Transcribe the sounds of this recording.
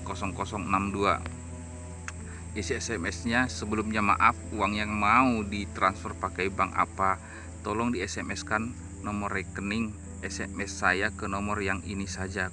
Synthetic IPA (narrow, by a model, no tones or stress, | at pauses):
kɔsɔŋkɔsɔŋənamdua̰ | isiɛsɛmɛsɲasəbəlumɲama̰ʔafuaŋjaŋmaudit̪ɾansfərpakajbaŋʔa̰pa | t̪ɔlɔŋdiɛsɛmɛskanː | ɔmɔrɛkənɪŋ | ɛsɛmɛsːajakənɔmɔrjaŋinisad͡ʒa